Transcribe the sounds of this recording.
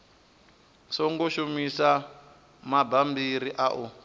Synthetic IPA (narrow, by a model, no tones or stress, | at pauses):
sɔŋɡoʃumisa | mabambiɾiʔaʔu